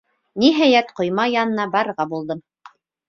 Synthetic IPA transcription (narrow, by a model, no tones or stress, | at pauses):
niɦæjæt̪qŏjmɑjɑnɤ̆nɑbɑɾɤ̆ʁɑbulˠd̪ɤm